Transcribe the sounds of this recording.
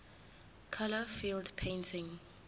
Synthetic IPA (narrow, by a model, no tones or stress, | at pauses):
kʰaləfiːldpʰẽntʰɪ̃ŋ